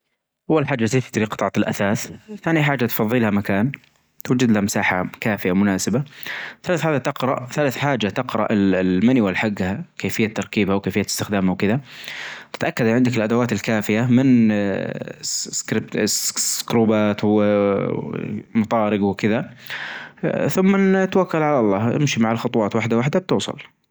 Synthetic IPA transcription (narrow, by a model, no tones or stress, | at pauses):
ʔawːalħaːd͡ʒːaseːt̪ɪd̪ɾiqɨt̪ˤʕɑlʔa̰θaːθθaːnijaħaːd͡ʒːat̪fɑðˤːiːlhamakaːn | t̪wad͡ʒɪd̪lahamsaːħa̰kaːfɪjamʊnaːsɪbaθalaːθħaːd͡ʒːat̪ɪqɾɑʔθalaθħaːd͡ʒat̪ɪqɾɑ̰ʔɪlmaniwɪlħaɡːhakeːfɪjːat̪ːɑɾˤkiːbhawkeːfɪjːaɪst̪ɪxd̪aːmhawkɪðat̪ɪt̪ʔakːad̪ʕɪnd̪ɪkɪlʔad̪awaːt̪ɪlkaːfɪjamɪn | kɾɪb̪̚skɾuːbaːt̪w | mɑt̪ˤɑːɾɪɡwkɪða | θʊmːat̪wakːalʕalɑlˤːɑːʔɪ̰mʃimaʕalxʊt̪ˤwɑːt̪waħd̪awaħd̪ab̚t̪uːsˤɑ̰l